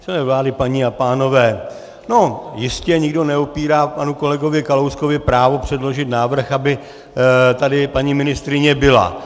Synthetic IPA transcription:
sɛlɛːvlaːdɪpaɲiapaːno̞vɛː | no̞jɪscɛɲɪɡdo̞nɛopiːɾaːpanuko̞lɛɡo̞vɪkalowskovɪpɾaːvo̞pr̝̥ɛdlo̞ʒɪt̪naːvr̩xabɪ | t̪adɪpaɲiːmɪnɪst̪ɾɪɲɛbɪla̰

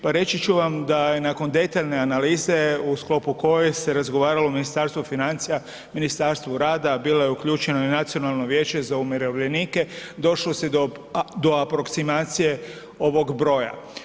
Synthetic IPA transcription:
paɾe̞t͡ʃit͡ʃuʋamd̪aje̞nako̞nd̪e̞t̪aʎne̞analiːze̞usklo̞puko̞jese̞ɾazɡo̞ʋaːɾalominist̪aɾst̪ʋufinant̪sija | minist̪aɾst̪ʋuɾaːd̪abiːlojeukʎuːt͡ʃe̞noinat̪sio̞nalˠno̞ʋje̞ːt͡ʃe̞zaumeɾoʋʎe̞niːke̞d̪o̞ʃlose | d̪o̞apɾo̞ksimaːt̪sije̞ | o̞ʋo̞ɡbɾo̞ːja̰

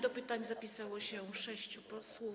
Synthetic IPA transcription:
d̪ɔpɘt̪aɲzapʲisawɔɕɛʂɛɕt͡ɕupɔswɔ

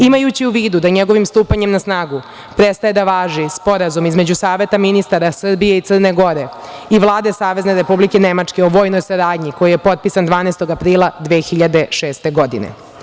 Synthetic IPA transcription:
imajut͡ɕiuʋiːd̪ud̪aɲeɡo̞ʋimst̪uːpaɲe̞mnasnaːɡu | pɾest̪ajed̪aʋaːʒispo̞ɾazumizme̞d͡ʑusaːʋe̞t̪aminist̪aɾasr̩bijeit̪srneɡo̞ɾe̞iʋlˠaːd̪e̞saːʋe̞zne̞ɾe̞publikenemat͡ʂke̞oʋo̞ːjno̞jsaɾaːd̪ɲiko̞jije̞po̞t̪̚pisand̪ʋaːnejst̪o̞ɡapɾiːlˠad̪ʋeːxiʎad̪e̞ʃeːst̪e̞ɡo̞d̪ḭnḛ

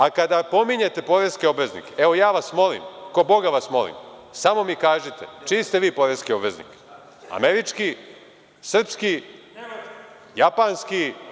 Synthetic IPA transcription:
akad̪apo̞miɲet̪e̞po̞ɾeskio̞bʋe̞znḭkeeʋo̞jaːʋasmo̞lḭmko̞bo̞ɡaʋasmo̞̰lḭmsamo̞mikaːʒit̪et͡ʃist̪e̞ʋiːpo̞ɾeskio̞bʋe̞znḭk | a̰meɾit͡ʃki | sr̩pski | japanski

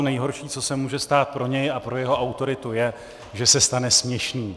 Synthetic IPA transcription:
nɛjɦo̞ɾʃiːt͡so̞sɛmuːʒɛst̪aːt̪̚pɾo̞ɲɛjapɾo̞jɛɦo̞ʔawt̪o̞ɾɪt̪ujɛ | ʒɛsɛst̪anɛsmɲɛʃniː

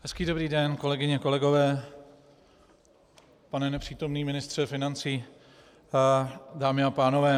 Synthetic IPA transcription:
hɛskiːdo̞bɾiːdɛnko̞lɛɡɪɲɛko̞lɛɡo̞vɛː | panɛnɛpr̝̥iːt̪o̞mniːmɪnɪst̪r̝̥ɛfɪnant͡siː | daːmɪapaːno̞vɛː

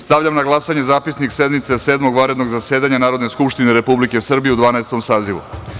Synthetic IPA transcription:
st̪aʋvʎamnaɡlˠasaɲezaːpisniksed̪mit̪seseːd̪mo̞ɡʋaɾe̞d̪no̞ɡzase̞ːd̪aɲanaːɾo̞d̪neskupʃt̪ineɾe̞publike̞sr̩bijeud̪ʋaːnaest̪o̞msaːziʋṵ

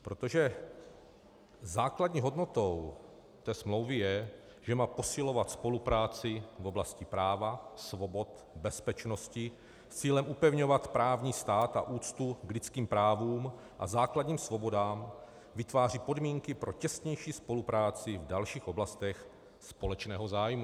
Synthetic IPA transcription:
pɾo̞t̪o̞ʒɛ | zaːkladɲiːɦo̞dno̞t̪o̞w | t̪ɛːsmlo̞wvɪjɛ | ʒ̥ɛmaːpo̞sɪlo̞vat̪spo̞lupɾaːt͡sɪvo̞blascɪpɾaːvasvo̞bo̞t̪ | bɛspɛt͡ʃno̞scɪ | t͡siːlɛmʔupɛvɲo̞vat̪pɾaːvɲiːst̪aːt̪a̰ʔuːt͡st̪uɡlɪt͡skiːmpɾaːvuːm | ʔa̰zaːkladɲiːmsvo̞bo̞daːm | vɪt̪vaːr̝ipo̞dmiːŋkɪpɾo̞cɛst̪ɲɛjʃiːspo̞lupɾaːt͡sɪvdalʃiːxʔo̞blast̪ɛx | spo̞lɛt͡ʃnɛːɦozaːjmu

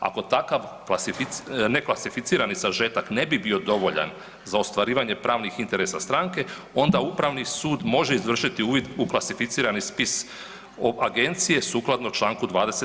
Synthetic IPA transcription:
a̰ko̞t̪akaʋklasifineklasifit̪siːɾanisaʒe̞t̪akne̞bibio̞d̪o̞ʋo̞ʎa̰n | zaost̪ʋaɾiːʋaɲe̞pɾaːʋnixint̪e̞ɾesast̪ɾaŋke̞ | o̞nd̪aupɾaʋnisuːd̪mo̞ʒeizʋr̩ʃit̪iuːʋid̪uklˠasifit̪siːɾanispis | oaɡe̞nt̪sije̞suːklˠad̪not͡ʃlˠaːŋkud̪ʋaːd̪ese

